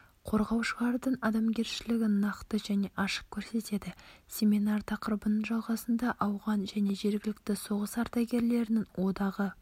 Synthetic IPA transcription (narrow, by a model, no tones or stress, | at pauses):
qʰo̞ɾʁɑwʃəʁɑɾd̪əɴɑd̪ɑmɡʲe̞ɾʃɪlɪɡʲɪnɑqt̪əʒæne̞ʔɑʃə̥q̚kʲʰɵɾse̞t̪e̞d̪ɪsʲe̞minɑrt̪ʰɑqəɾəbənəɴʒɑlˠʁɑsənd̪ɑʔɑwʁɑnʒæne̞ʒe̞ɾɡʲɪlɪk̚t̪ɪso̞ʁəsɑɾt̪ɑɡʲe̞ɾle̞ɾɪnɪŋwo̞d̪ɑʁə